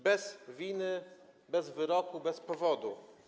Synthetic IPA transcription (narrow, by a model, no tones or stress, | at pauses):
bɛzvʲinɘ | bɛzvɘɾɔkubɛspɔvɔd̪u